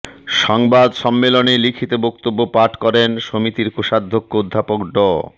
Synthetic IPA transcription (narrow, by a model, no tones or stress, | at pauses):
ʃɔŋbad̪ʃɔmːelonelikʰit̪ebokt̪obːopaʈkɔɾenʃomit̪iɾkoʃad̪ʱːokːood̪ʱːapokɖɔ